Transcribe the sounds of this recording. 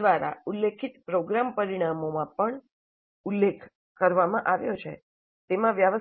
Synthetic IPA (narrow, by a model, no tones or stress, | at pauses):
ʋaɾa̰ulːekʰit̪pɾoɡɾampəɾiɽ̃amomãpəɳ | ulːekʰ | kəɾʋamãʔaʋjot͡ʃʰḛ | t̪emãʋjaʋə